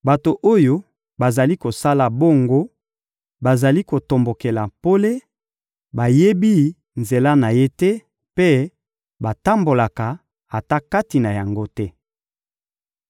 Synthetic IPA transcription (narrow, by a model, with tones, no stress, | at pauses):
ba˨to˨ʔo˦jo˦ | ba˨za˨li˦ko˨sa˦la˨bo˦ŋɡo˦ | ba˨za˨li˦ko˨to˨mbo˨ke˨la˨po˦le˦ | ba˨je˦bi˦ | nze˨la˦na˨je˦tɛ˦ | pe˦ | ba˨ta˦mbo˨la˨ka˨ | a˨ta˦ka˦ti˨na˨ja˨ŋɡo˦tɛ˦